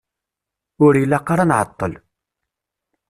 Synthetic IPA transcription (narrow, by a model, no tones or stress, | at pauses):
ʊɾjəlːaqːɑɾˤanʕə̰t̪ˤːəl